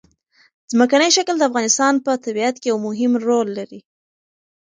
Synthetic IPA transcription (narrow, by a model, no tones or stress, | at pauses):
zməkanəjʃakld̪əafɣɑnɪst̪ɑnpət̪abiat̪̚kejawmʊɦɪmɾolːaɾi